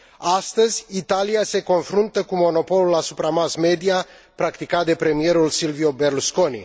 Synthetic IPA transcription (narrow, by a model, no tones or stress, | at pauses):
ast̪əzʲit̪aliase̞ko̞nfɾunt̪əkumo̞no̞po̞lulasupɾamasme̞d̪ia | pɾakt̪ikat̪̚d̪e̞pɾe̞mie̞ɾulsilvio̞be̞rlusko̞nḭ